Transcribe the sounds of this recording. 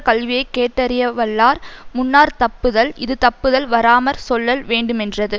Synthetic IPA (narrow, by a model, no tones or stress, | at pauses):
kɐlʋɪjɐɪkːeːʈːɐɾɪjɐʋɐlːaːɾmʊnːaːɾt̪ɐpːɯðɐlɪðɯt̪ɐpːɯðɐlʋɐɾaːmɐɾsɔlːɐlʋeːɳɖɯmɛndrɐðɯ